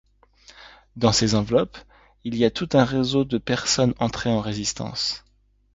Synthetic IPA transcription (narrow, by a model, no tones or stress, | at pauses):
d̪ɑ̃sezɑ̃vlɔp | iliat̪ut̪ɛ̃ʁezod̪əpɛʁsɔnɑ̃t̪χeɑ̃ʁezist̪ɑ̰̃s